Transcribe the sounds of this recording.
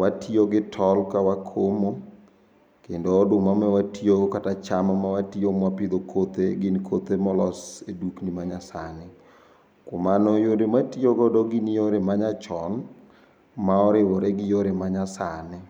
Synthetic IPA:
watʰioɡɪtʰɔlkawakʰomo | kendoːdʊmamɛwatiokatat͡ʃamamawatiomwapɪd̪okʰot̪eɡɪnkʰot̪emɔlɔseduknimaɲasa̰nɪ | komanɔjoɾematioɡɔdɔɡɪnjoɾemaɲat͡ʃɔn | maɔɾɪwɔɾɛɡɪjoɾemaɲasanɪ

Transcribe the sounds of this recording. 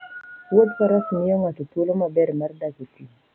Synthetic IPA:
wod̪paɾɔknɪjɔŋatotwolomabɛɾmardakiti

